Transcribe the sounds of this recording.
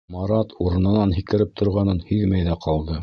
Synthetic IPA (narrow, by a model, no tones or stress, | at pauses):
mɑɾɑt̪ʰuɾɤ̆nɤ̆nɑnɦikɘ̆ɾɘp̚t̪ʰŏɾʁɑnɤnhiðmæjðæqʰɑlˠd̪ɤ